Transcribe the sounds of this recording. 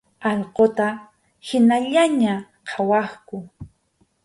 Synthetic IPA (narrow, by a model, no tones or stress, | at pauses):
ɑʎqot̪a | hɪnaʎaɲaqʰɑwɑχkʊ